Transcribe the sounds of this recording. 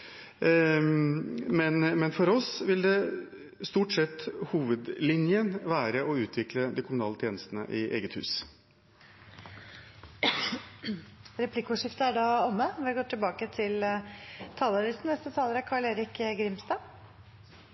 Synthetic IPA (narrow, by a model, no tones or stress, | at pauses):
mɛnmɛnfɔɾɔsʋɪld̪ɛ | st̪uːʈsɛt̪ːhuːʋəd̪lɪnjənʋæːɾəʔɔʉːt̪ʰʋɪkləd̪ikʰʊmʊnɑːlət̪ʰjeːnəst̪ənə̰ʔɪʔḛːɡət̪hʉ̰ːs | ɾɛpʰlɪkʊʂɪft̪əæɖɑːɔmːəʋɡoːʈ̪ʰɪlbɑːkət̪ʰɪl | t̪ʰɑːləɾɪsn̩ʋɛst̪ət̪ʰɑːləɾəkʰɑːɭeːɾɪkɡɾɪmst̪ɑː